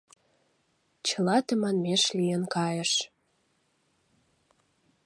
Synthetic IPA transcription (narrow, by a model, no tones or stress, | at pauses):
t͡ɕə̆lɑt̪əmɑnmeʃlijənkɑjəʃ